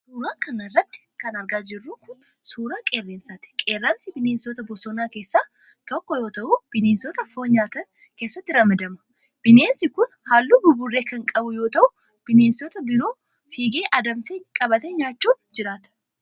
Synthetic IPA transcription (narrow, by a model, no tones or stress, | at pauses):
suːɾaːkɐnɐrːɐt̪ːɪ̥kɐnɐɾɡaːd͡ʒɪrːuːkʊn | suːɾaːkʼe̞ːrːeːnsaːt̪ɪ̥kʼeːrːɐmsɪbɪneːnsɔːt̪ɐbɔsɔnaːke̞ːsːaː | t̪ɔkːɔjo̞ːt̪ɐʔuːb̥ɪneːnsɔːt̪ɐfoːɲaːt̪ɐn | ke̞ːsːɐt̪ːɪɾɐmɐd̪ɐmɐ̥ | b̥ɪne̞ːnsɪkʊn | haːlːuːbʊbʊrːe̞ːkɐŋkʼɐbʊjo̞ːt̪ɐʔʊ | b̥ɪneːnsɔt̪ɐbɪɾo̞ː | fiːɡe̞ːʔɐd̪ɐmseːkʼɐbɐt̪ɛɲaːt͡ʃːuːnd͡ʒɪɾaːt̪ɐ̥